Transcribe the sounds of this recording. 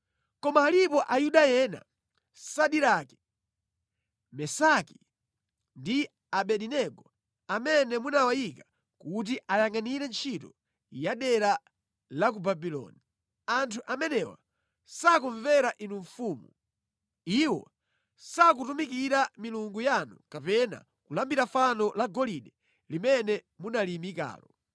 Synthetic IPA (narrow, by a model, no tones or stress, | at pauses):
kɔmaːlipɔʔajuɗajɛna̰ | saɗiɾaki̥ | mɛsaki | ndi | aɓɛɗinɛɡɔ | amɛnɛmunawajika | kut̬iʔajaŋaniɾɛnt͡ʃʰitɔ | jaɗɛɾa | lak̬ubabilɔ̰ni | antʰuʔamɛnɛwa̰ | sakuɱvɛɾaʔinuɱfuːmṵ | iwɔ̰ | sak̬utumikiɾamiluŋɡujanukapɛna̰ | kulambiɾafanɔlaɡɔliɗɛ | limɛnɛ | munalimika̰ːlɔ